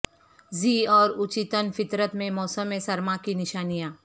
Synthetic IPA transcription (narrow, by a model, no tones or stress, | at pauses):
ziːɔːɾʊt͡ʃɪt̪ənfɪt̪ɾət̪mẽmɔːsəmːẽsɐɾmakinɪʃaːnijãː